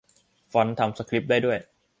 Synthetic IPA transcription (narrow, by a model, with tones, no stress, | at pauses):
fɔ˦˥nt̪ʰa˧msa˧kʰli˦˥p̚daː˥˩jdu˥˩əj